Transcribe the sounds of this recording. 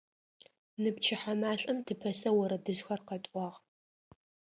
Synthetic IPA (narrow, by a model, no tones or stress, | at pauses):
nɨp̚t͡ʃʰɪħamaːɕʷʼɐmtʰɨpʰɐsɐwɐɾɐdɨzxɐrqɐtʼʷɑːʁ